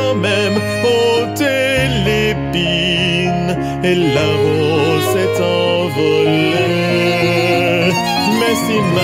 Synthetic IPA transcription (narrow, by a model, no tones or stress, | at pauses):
ɑ̃mɛm | ot̪elepi | n | elao | sɛt̪ɑ̃ | vɔle | mɛsima